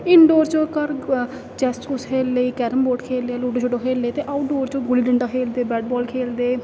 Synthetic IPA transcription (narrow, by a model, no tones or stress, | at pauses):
ɪnɖoːɾt͡ʃoːkəɾ | t͡ʃɛsʈʊskʰeːlːeiːkɛːɾəmboːʈkʰeːleaːluːɖoːd͡ʒoɖõːkʰeːlːeːt̪eːʔaːʈɖoːɾt͡ʃoːɡʊliːɖəɳɖaːkʰeːld̪eːbɛːʈ̚bɔːlkʰeːld̪eː